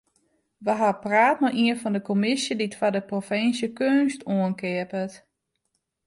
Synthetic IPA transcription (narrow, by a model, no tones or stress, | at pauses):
ʋəɦapraːtmaʔiənfɔndəkomɪsjəditfadəprofɪnsjəkøːnstuənkɪəpət